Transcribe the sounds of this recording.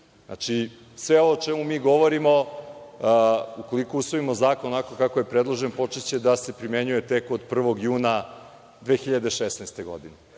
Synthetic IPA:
a̰t͡ʃi | sʋeo̞ʋoːt͡ʃemumiːɡo̞ʋoɾimo̞ | uko̞likousʋoimozaːkonoakokakoje̞pɾed̪lˠoʒenpo̞t͡ʂet͡ɕe̞d̪ase̞pɾime̞ɲuje̞t̪e̞kod̪pr̩ʋo̞ɡjuːna | d̪ʋe̞ːxiʎad̪e̞ʃesnejst̪e̞ɡo̞̰d̪ine

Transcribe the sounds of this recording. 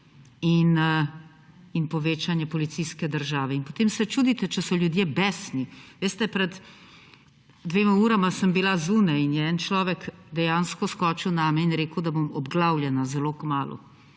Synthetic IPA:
in | inpɔʋeːt͡ʃanjɛpɔlit̪siskɛd̪əɾʒaːʋɛinpot̪eːmsɛt͡ʃuːd̪it̪ɛt͡ʃɛsɔljud̪jebɛːsniʋeːst̪ɛpɾɛd̪ | d̪ʋeːmauːɾamasəmbilazunainjɛɛnt͡ʃlɔːʋɛkd̪ɛjaːnskɔskɔːt͡ʃiwnaːmɛinɾeːkəwd̪abomɔbɡlaːwljɛnazɛloːkmaːlṵ

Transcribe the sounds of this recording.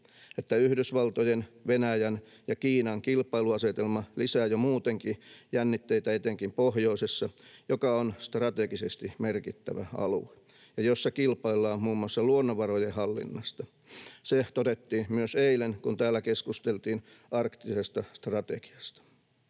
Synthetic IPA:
et̪ːæyhdysʋɑlt̪ojenʋenæjæn | jɑkiːnɑŋkilpɑiluɑset̪elmɑlisæːjomuːt̪eŋkijænːit̪ːeit̪æet̪eŋkimpohjoisesːɑjokɑonst̪rɑt̪eɡisest̪imerkit̪ːæ̰ʋæ̰ɑ̰lṵe | jɑjosːɑkilpɑilːɑːmmuːmuɑsːɑluonːoʋɑrojehɑlːḭnːɑst̪ɑ | set̪odet̪ːiːnmyøseilenkunt̪æːlːˑækeskust̪elt̪iːn | ɑrkt̪isest̪ɑst̪rɑt̪eki̥ɑst̪ɑ̥

